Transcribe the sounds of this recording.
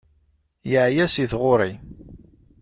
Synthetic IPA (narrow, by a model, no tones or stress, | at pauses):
jəʕjæsiθʁʊɾˤi